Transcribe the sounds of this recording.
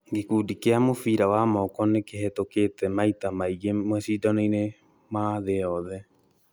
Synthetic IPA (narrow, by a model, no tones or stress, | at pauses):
ɡekudikeamofiːɾawamɔkɔnekeɦetoketɛmajtamajɡemoɛsiːdɔnɔjne | maðeɔðɛ